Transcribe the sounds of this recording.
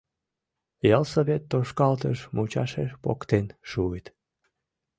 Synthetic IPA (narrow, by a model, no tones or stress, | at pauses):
jɑlsəβet̪ːoʃkɑlt̪əʃmut͡ɕɑʃeʃpo̰kt̪enʃuet̪